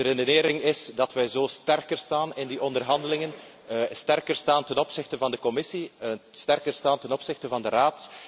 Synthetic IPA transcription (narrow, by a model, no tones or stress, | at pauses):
dəɾedeneːɾɪŋɪsdɑtʋɛjzoːstɛrkərstaːnɪndiʔɔndərɦɑndəlɪŋən | stɛrkərstaːntɛnɔpsɪxtəvɑndəkɔmɪsistɛrkərstaːntɛnɔpsɪxtəvɑndəraːt